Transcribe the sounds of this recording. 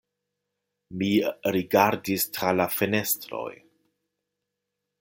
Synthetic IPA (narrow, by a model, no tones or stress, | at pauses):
miɾiɡaɾdistɾalafe̞ne̞stɾo̞̰j